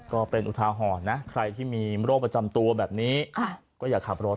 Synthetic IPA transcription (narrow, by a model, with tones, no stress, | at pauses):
kɔː˥˩pe˧nʔu˨˩t̪ʰaː˧ɦɔː˨˩t̪̚na˦˥kʰɾa˧jt̪ʰiː˥˩miː˧ɾoː˥˩k̚pɾa˧t͡ɕa˧mt̪u˧ɐbɛː˨˩p̚niː˦˥a˧˩ | kɔː˥˩jaː˨˩kʰːa˨˩p̚ɾoː˥˩